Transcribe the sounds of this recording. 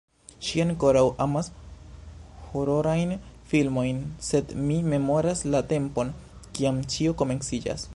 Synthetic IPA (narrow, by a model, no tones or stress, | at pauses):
ʃiaŋko̞ɾawʔamas | ho̞ɾo̞ɾajnfilmo̞jnse̞dmime̞mo̞ɾaslate̞mpo̞n | kiamt͡ʃio̞ko̞me̞nsid͡ʒa̰s